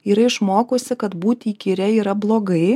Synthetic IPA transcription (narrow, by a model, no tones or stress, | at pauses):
iːɾɐɪʃmoːkoːsʲɪkɐt̪buːt̪ʲiːkʲiɾʲɛiːɾɐblˠoːɡɐɪ